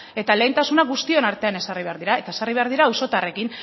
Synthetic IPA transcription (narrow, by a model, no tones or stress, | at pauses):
e̞t̪ale̞int̪asunaɡust̪io̞naɾt̪e̞ane̞sariβ̞e̞aɾðiɾaet̪aesariβe̞aɾðiɾaːwso̞t̪are̞kin